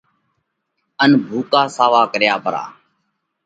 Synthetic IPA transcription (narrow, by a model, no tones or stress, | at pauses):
ənbʱuːkaːsaːʋaːkəɾjaːpəɾa̰ː